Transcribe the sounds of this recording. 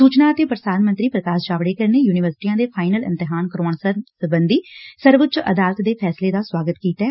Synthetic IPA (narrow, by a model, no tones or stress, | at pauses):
suːt͡ʃnaːət̪eːpɾəd̪aːnmənt̪ɾiːpɾəkaːsd͡ʒaːʋɽeːkəɾneːjuːnɪʋəɾsʈiːãːd̪eːpʰaːɪnəlɪ̰̃nt̪ɪɦaːnkəɾoːɳsəsəbənd̪iːsəɾʋət͡ʃʔə̰d̪aːlət̪d̪eːpʰɛːsleːd̪aːswaːɡət̪kiːt̪ɛː